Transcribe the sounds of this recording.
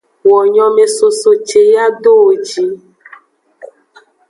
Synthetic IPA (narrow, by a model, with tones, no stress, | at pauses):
wɔ˨ɲɔ̃˨me˨so˨so˨t͡ʃe˨ja˦ɖo˦o˨d͡ʒi˨˦